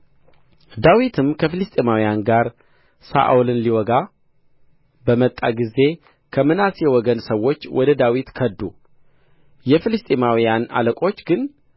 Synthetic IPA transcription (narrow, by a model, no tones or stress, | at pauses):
d̪awit̪ʰɨmkʰəfɨlɨst̪ʼemawijanɡaɾ | sa̰ʔulɨnliwɔɡa | bəmət̪ʼːa̰ɡizːe̞ | kʰəmɨnasjɛwɔɡənsəwːo̞t͡ʃːwɔd̪əd̪awit̪kʰəd̪ːu | jɛfɨlɨst̪ʼemawijana̰ləkʼo̞t͡ʃːɡɨn